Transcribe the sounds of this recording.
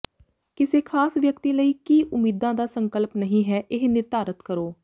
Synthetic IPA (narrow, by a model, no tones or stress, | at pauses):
kɪseːkʰaːsʋjəkt̪iːləiːkiːʔʊmːiːd̪ãːd̪aːsəŋkəlpnəɦĩːɦɛːʔɪɦnɪɾt̪aːɾət̪kəɾoː